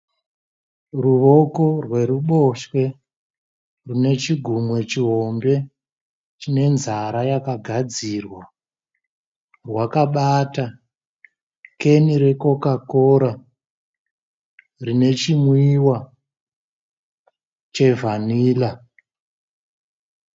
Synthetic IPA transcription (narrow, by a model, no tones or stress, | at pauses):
ruʋo̞ko̞rwe̞ɾuɓo̞ʃwe̞ | rune̞t͡ʃiɡʱumwe̞t͡ʃiɦo̞mbe̞ | t͡ʃine̞nzaɾajakaɡʱad͡zirwa | rwakaɓata | ke̞niɾe̞ko̞kakoɾa | rine̞t͡ʃimwiːwa | t͡ʃe̞vʱaniːla